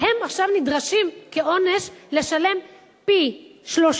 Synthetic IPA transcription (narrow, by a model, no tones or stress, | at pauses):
he̞maχʃavnidʁaʃimke̞ʔo̞ne̞ʃle̞ʃale̞m | piʃlo̞ʃ